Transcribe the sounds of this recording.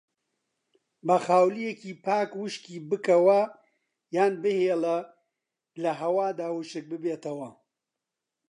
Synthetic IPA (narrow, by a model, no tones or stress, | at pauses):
bɐxaːwlijekiːpʰaːkwɨʃkiːbɨkɐwɐ | jaːnbɨheːlɐ | lɐɦɐwaːd̪aːwuʃɨk̚bɨbeːt̪ɐwɐ